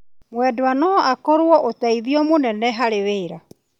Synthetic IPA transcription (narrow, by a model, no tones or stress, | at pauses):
mwɛdwanɔakɔɾwɔʔotaiðiɔmonɛnɛɦaɾeweːɾa